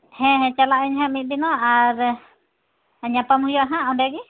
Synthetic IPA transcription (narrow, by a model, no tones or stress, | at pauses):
hɛ̃ɦɛ̃t͡ʃalaʔɛɲɦãmit̪̚binɔʔaɾ | ɲapamuhijɔʔɦãɔɳɖɛɡi